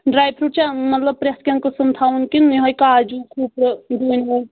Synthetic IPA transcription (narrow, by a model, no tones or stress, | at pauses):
ɖɾajpʰɾut͡ʃʰãmʌt̪ləb̚pɾeskʲaŋkosəmt̪ʰawnkinːiɦʌjkad͡ʒukʰupɾd̪unɦʌj